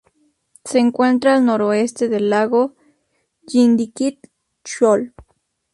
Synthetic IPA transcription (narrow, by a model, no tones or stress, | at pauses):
seŋkʷent̪ɾaːlnoɾoest̪eðelːaɣo | jind̪ikit̪ | t͡ʃol